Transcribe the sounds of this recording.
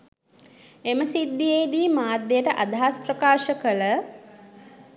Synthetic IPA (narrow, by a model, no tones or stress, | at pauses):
eməsid̪ːijejd̪iːmaːd̪ːejəʈəʔad̪ʱaaspɾəkaːʃəkələ